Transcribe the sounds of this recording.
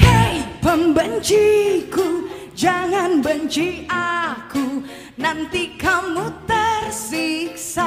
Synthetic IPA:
hajpəmbənt͡ʃiku | d͡ʒaŋanbənt͡ʃiaku | nant̪ikamut̪ərsik̚sa

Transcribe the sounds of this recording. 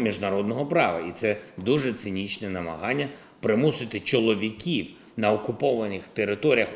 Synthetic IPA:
mʲiʒnɐɾɔd̪nɔɦɔpɾɑʋɐit̪sɛd̪uʒɛt̪sɪnʲit͡ʃnɛnɐmɐ̰ɦɑnʲːɐ | pɾɪmusɪt̪ɪt͡ʃɔlˠɔʋʲikʲiw | nɐɔkʊpɔʋɐnɪxt̪eɾɪt̪ɔɾʲijɐx

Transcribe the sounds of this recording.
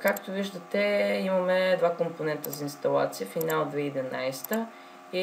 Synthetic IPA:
kakt̪oviʒd̪ət̪ɛimɐmɛd̪vakomponɛnt̪əzɐinst̪ɐlˠa̰t̪siəfinalˠd̪vɛid̪ɛna̰jst̪ə | i

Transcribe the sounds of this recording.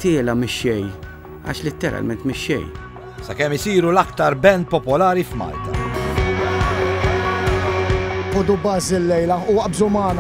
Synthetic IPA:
t̪ɪːlɐmɪʃːɛj | ɐ̰ʃlɪt̪ːɛɾɐ̰lmɛnt̪mɪʃːɛ̰j | sɐkɛmːɪsiːɾulɐkt̪ɐɾbɛnt̪̚pɔpɔlɐːɾifmɐ̰ːlt̪ɐ̰ | ʔɔd̪ubɐːzɪlːɛjlɐʊwɐʔbzʊmɐːn

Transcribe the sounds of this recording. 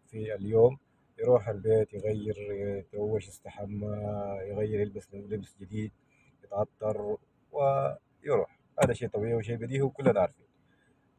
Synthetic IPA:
fialjoːm | jɾˤuːħalbeːt̪jɣajːɪɾt̪awːaʃɪst̪aħamːajɣajːɪɾˤjɪlbaslɪbsd͡ʒɪd̪iːd̪̚ | jɪt̪ɣɑt̪ːɑɾˤ | wɪ | jɾuːħ | haːd̪aʃeːt̪ˤɑbiːʕwʃ̬iːbad̪iːhuwkʊlːhanaʕɾˤfiːn

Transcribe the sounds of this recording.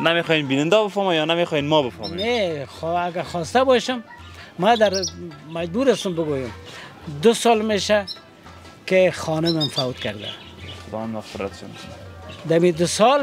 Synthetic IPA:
namexɔjenbinɪnd̪ɔbəfɔmanjɔnamexɔjenmɔbəfɔmenexaɡaxɔst̪abɔʃʊm | mad̪aɾmad͡ʒbuɾast̪ʊmbʊɡojʊmd̪ʊsɔlmeʃa | kexɔnʊmamfawt̪kaɾd̪a̰ | xʊd̪ɒwanmaffəɾa̰t̪ʃo̰n | d̪amid̪ʊsɔl

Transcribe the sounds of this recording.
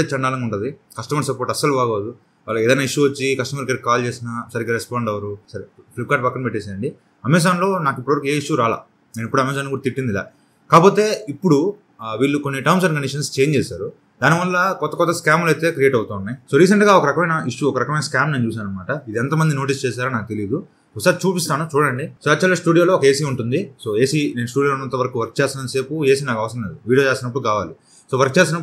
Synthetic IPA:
et͡ʃɐɳɖaːlɐŋɡɐuɳʈund̪i | kɐsʈɐmɐɾsɐpoːʈɐsːɐlubaːɡoːd̪u | aːlɐɛːd̪ɐjnːaːiʂːuʋɐt͡ʃːikɐsʈɐmɐɾkɐɾikkːaːlt͡ʃeːsinɐsɐɾiɡɾespaːɳɖɐʋɐɾusɐɾeplip̚kaːʈ̚pɐkːɐnpeʈːɛːsaːɾɐɳɖi | ɐmɛːs̬aːnlo̞ːnaːkipːɽuʋɐɾkueːiʂːuɾaːla̰ː | neːnipːuɽuɐmɛːs̬aːnkuɽɐt̪iʈːind̪ila̰ː | kaːpo̞ːt̪e̞ːipːuɽu | ʋiːlːukonːiʈɐjms̬ɐnkɐɳɖiʂ̬ɐnst͡ʃeːjɲt͡ʃeːsaːɾu | d̪aːniʋɐlːɐkɔt̪ːɐkɔt̪ːɐskaːmlɐjt̪e̞ːkɾijeːʈɐwut̪aːunːɐjso̞ːɾiːs̬ɐɳʈɡaːɔkɐɾɐkɐmɐjnɐiʂuɔkɐɾɐkɐmɐjnɐskaːmneːnt͡ʃuːs̬aːnɐnmaːʈɐid̪iɛnt̪ɐmɐnd̪ino̞ːʈ̬ist͡ʃɛːs̬aːɾɐnaːk̚ut̪e̞liːd̪u | usaːt͡ʃuːpist̪aːnut͡ʃuːɽɐɳɖisoːɐt͡ʃɐlɐsʈuːɽijoːlo̞ːkɐe̞ːs̬iuɳʈund̪iso̞ːe̞ːsinenusʈuːɽioːonɐnt̪ːɐʋɐɾɐkuʋɐɾk̚t͡ʃeːsɐnnse̞ːpue̞ːsinaːkɐʋɐsɾɐ̃mleːd̪uʋiːioːt͡ʃeːsinɐp̬ːuɽukaːʋaːli | so̞ːʋɐɾk̚t͡ʃeːsinɐp

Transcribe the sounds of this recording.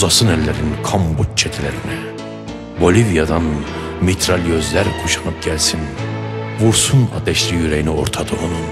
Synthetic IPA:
zɑsɯnælːæɾinkʰɑmbut͡ʃ̚t͡ʃʰɛt̪ʰilæɾinæ | bolivijɑd̪ɑn | mit̪ʰɾɑlijøzlæɾkʰuʃɑ̥nɯp̚ɟælsinvuɾsunɑ̰d̪ɛʃlijyɾæjinioɾt̪ʰɑd̪ɯonu

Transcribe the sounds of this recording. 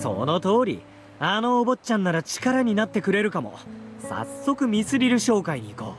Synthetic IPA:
so̰no̞t̪o̞ːɾʲḭ | ano̞ːbo̞t͡ɕãnːaɾat͡ɕi̥kaɾaɲ̟inat̪ːe̞kɯ̟ɾe̞ɾɯ̟kamo̞̰sa̰sːo̞kɯ̟mʲisɨɾʲiɾɯ̟ɕo̞ːkaiɲ̟iːko̞̰ː

